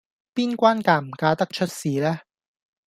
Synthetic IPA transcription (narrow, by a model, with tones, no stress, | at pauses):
piː˥nkʷaː˥nkaː˧m̩˨˩kaː˧t̪ɐ˥k̚t͡ʃʰɵ˥t̚siː˨lɛː˦˥